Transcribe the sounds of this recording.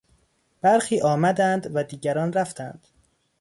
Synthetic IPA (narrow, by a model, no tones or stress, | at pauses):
b̥æɾxiːʔɒːmæd̪ænd̪væd̪iːɟæɾɒːnɾæft̪ʰænd̪̥